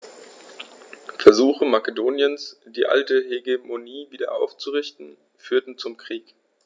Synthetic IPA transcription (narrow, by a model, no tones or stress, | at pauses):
fɛɐzuːxəmakədoːnjənsd̥iːʔa̰ltəɦeɡemoniːviːdɐʔaʊft͡suʁɪçtn̩ | fyːɐtn̩t͡sʊmkʁ̥iːk